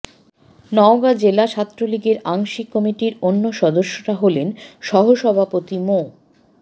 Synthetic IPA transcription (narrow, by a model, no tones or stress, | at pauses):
nɔoɡad͡ʑelat͡ɕʰat̪ːɾoliɡeɾaŋʃikːɔmiʈiɾonːoʃɔd̪oʃːoʈaɦolenʃɔɦoʃɔbʱapot̪imo